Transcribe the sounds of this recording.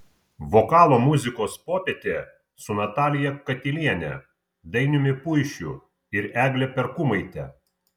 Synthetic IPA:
ʋɔkɑːlˠoːmʊzʲɪkoːspoːpʲɛt̪ʲeː | sʊnɐt̪ɑːlʲɪjɛkɐt̪ʲɪlʲiɛnʲɛ̰ | d̪ɐɪnʲʊmʲɪpʊɪʃʲʊ | ɪɾæːɡʲlʲɛpʲɛɾkʊmɐɪt̪ʲɛ

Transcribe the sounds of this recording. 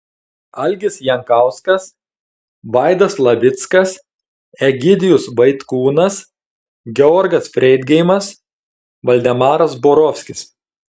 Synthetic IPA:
ɐlʲɡʲɪsjɛŋkɑˑʊskɐs | ʋɑˑɪd̪ɐslˠɐʋʲɪt̪skɐs | ɛɡʲɪd̪ʲɪjʊsbɐɪt̪kuːnɐs | ɡʲɛɔɾɡɐsfʲɾʲɛɪd̪ʲɡʲɛɪmɐs | ʋɐlʲd̪ʲɛmɑːɾɐsboːɾɔfʲsʲkʲɪs

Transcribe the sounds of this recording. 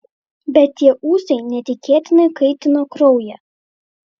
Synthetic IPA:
bʲɛt̪ʲt̪ːʲiɛʔuːsʲɛɪnʲɛt̪ʲɪkʲeːt̪ʲɪnɐɪkɐɪt̪ʲɪnoːkɾɒʊjɛ

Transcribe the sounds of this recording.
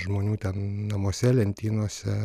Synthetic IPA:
ʒmoːnʲuːt̪ʲɛnnɐmoːsʲɛlʲɛnʲt̪ʲiːnoːsʲɛ

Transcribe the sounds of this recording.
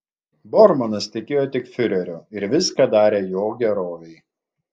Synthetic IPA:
bɔɾmɔnɐst̪ʲɪkʲeːjoːt̪ʲɪkfʲʊɾʲɛɾʲoːɪɾʋʲɪskɐd̪ɑːɾʲeːjoːɡʲɛɾoːʋʲɛɪ

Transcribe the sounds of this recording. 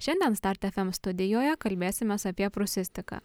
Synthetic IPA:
ʃʲɛnʲd̪ʲiɛnst̪ɑɾʲt̪ʲɛfʲɛmst̪ʊd̪ʲɪjoːjɛkɐlʲbʲeːsʲɪmʲeːsɐpʲiɛpɾʊsʲɪsʲt̪ʲɪkɑ̰ː

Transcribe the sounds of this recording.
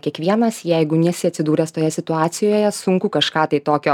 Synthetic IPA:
kʲiɛkʋʲiɛnɐsjɛɪɡʊnʲɛsʲɪɐt̪ʲsʲɪd̪uːɾʲɛst̪oːjɛsʲɪt̪ʊɑːt̪sʲɪjoːjɛsʊŋkuːkɐʃkɑːt̪ɐɪt̪oːkʲoː

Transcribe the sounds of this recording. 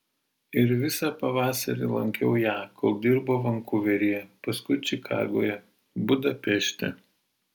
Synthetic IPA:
ɪɾʋʲɪsɑpɐʋɑːsɐɾʲɪlˠɐŋʲkʲɛʊjæːkolˠd̪ʲɪɾboːʋɐŋkʊʋʲɛɾʲijɛpɐskʊɪt͡ʃʲɪkʰɑ̰ːɡo̰ːjɛ | bʊd̪ɐpʲɛʃʲt̪ʲɛ̰

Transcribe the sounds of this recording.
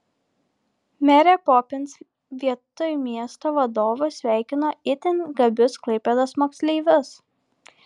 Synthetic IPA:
mʲæɾʲɛpɔpʲɪns | ʋʲiɛt̪ʊjmʲiɛst̪oʋɐd̪oːʋosʲʋʲæˑɪkʲɪnoːɪt̪ʲɪnʲɡɐbʲʊsklˠɐɪpʲɛd̪ɐsmoːksʲlʲɛɪʋʲʊs

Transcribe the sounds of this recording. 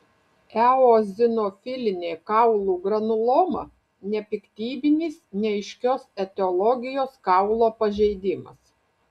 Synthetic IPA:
æoːzʲɪnɔfʲɪlʲɪnʲeːkɑˑʊlˠuːɡɾɐnʊlˠoːmɐ̰ | nʲɛpʲɪkt̪ʲiːbʲɪnʲiːsnʲɛɪʃʲkʲoːsɛt̪ʲɛɔlˠɔɡʲɪjoːskɑʊlˠoːpɐʒʲɛɪd̪ʲɪmɐ̰s

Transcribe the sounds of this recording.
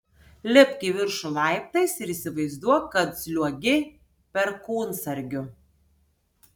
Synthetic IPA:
lʲɪpʲkʲiʋʲɪɾʃʊlˠɑˑɪp̚t̪ɐɪsɪɾiːsʲɪʋɐɪzd̪uɔjkɐt̪z̥ʲlʲuɔɡʲɪ | pʲɛɾkuːnsɐɾʲɡʲʊ

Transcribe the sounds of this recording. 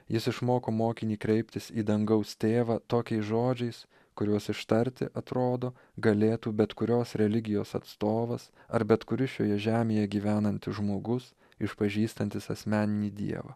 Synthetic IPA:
jɪsɪʃmoːkoːmoːkʲɪnʲiːkɾʲɛɪpʲt̪ʲɪsiːd̪ɐŋɡɐʊst̪ʲeːʋɑːt̪oːkʲɛɪsʒoːd͡ʒʲɛɪs | kʊɾʲuɔsɪʃt̪ɐɾʲt̪ʲɪ̰ʔɐt̪ɾoːd̪oː | ɡɐlʲeːt̪uːbʲɛt̪kʊɾʲoːsɾʲɛlʲɪɡʲɪjoːsɐ̰t̪st̪oːʋɐsɐɾbʲɛt̪kʊɾʲɪʃʲjo̰ːjɛʒʲæːmʲeːjɛɡʲiːʋʲæːnɐnʲt̪ʲɪʒmoːɡʊs | ɪʃpɐʒʲiːst̪ɐnʲt̪ʲɪsɐ̰sʲmʲæːnʲɪnʲiːd̪ʲḭɛʋɐ̰ː

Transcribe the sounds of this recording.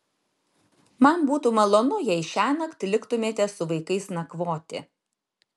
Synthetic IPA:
mɐnbuːt̪uːmɐlˠoːnʊjɛɪʃʲæːnɐkt̪ʲlʲɪkt̪ʊmʲeːt̪ʲɛsʊʋɐɪkɐɪsnɐkʋoːt̪ʲɪ̰

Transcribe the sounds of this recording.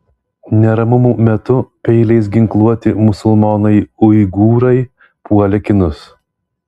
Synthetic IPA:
nʲɛɾɐmʊmuːmʲɛt̪ʊpʲɛɪlʲɛɪs̬ɡʲɪŋklˠuɔt̪ʲɪmʊsʊlˠmɔːnɐɪʊɪɡuːɾɐɪ | puɔlʲɛkʲɪnʊs

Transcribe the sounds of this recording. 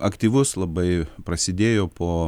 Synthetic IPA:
ʔɐkt̪ʲiːʋʊslˠɐbɐɪpɾɐsʲɪd̪ʲeːjoːpoː

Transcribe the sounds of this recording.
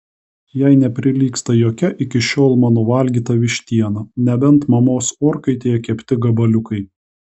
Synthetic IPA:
jæɪnʲɛpʲɾʲɪlʲiːkst̪ɐjoːkʲɛʔɪkʲɪʃʲoːlˠmɑːnoːʋɐlʲɡʲiːt̪ɐʋʲɪʃʲt̪ʲiɛnɐnʲɛbʲɛnˑt̪mɐmoːsoːɾkɐɪt̪ʲeːjɛkʲɛpʲt̪ʲɪɡɐbɐlʲʊkɐɪ

